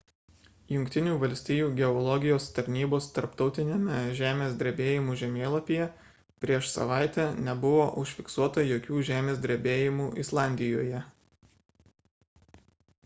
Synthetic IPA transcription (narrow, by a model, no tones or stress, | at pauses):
jʊŋʲkʲt̪ʲɪnʲuːʋɐlʲsʲt̪ʲiːjuːɡʲɛɔlˠɔɡʲɪjoːst̪ɐɾʲnʲiːboːst̪ɐɾpt̪ɒʊt̪ʲɪnʲeːmʲɛʒʲæːmʲeːsd̪ʲɾʲɛbʲeːjɪmuːʒʲɛmʲeːlˠɐpʲijɛ | pʲɾʲiɛʃsɐ̰ʋɑˑɪt̪ʲɛnʲɛbʊʋoːʔʊʃʲfʲɪksuɔt̪ɐjoːkʲuːʒʲæːmʲeːsʲd̪ʲɾʲɛbʲeːjɪmuːʔɪslˠɑˑnʲd̪ʲɪjo̰ːjɛ